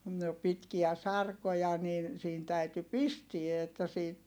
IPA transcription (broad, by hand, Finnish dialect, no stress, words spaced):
no pitkiæ sɑrkojɑ nin siːn tæyty pistie etːæ siːt